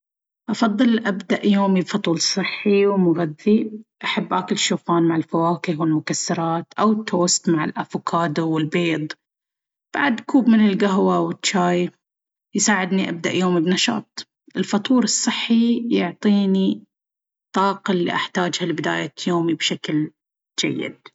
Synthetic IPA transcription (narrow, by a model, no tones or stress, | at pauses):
ʔɑfɑðˤːɨlʔabd̪aʔjoːmibfɑt̪ˤuːlsˤɨħːiwmʊɣaðːiʔaħabːʔakɪlʃoːfaːnmaʕɪlfawaːkɪhwɪlmʊkasːɑɾˤɑːt̪ʔawɪt̪ːoːst̪maʕɪ̰lʔafʊkʰaːd̪wɪlbeːd̪ˤ | b̥a̰ʕd̪kuːbmɪnɪlɡaɦwawɪtt͡ʃːaːj | jsaːʕɪd̪niʔa̰b̚d̪aʔjoːmibnɑʃɑ̰ːt̪ˤ | ʔɪlfɑt̪ˤuːɾɨsˤːɨħːijʊʕt̪ˤiːni | t̪ˤːɑːqɑlːḭːʔaħt̪aːd͡ʒhalbɪd̪a̰ːjajoːmibʃakl | d͡ʒa̰jːɪ̰d̪̥̚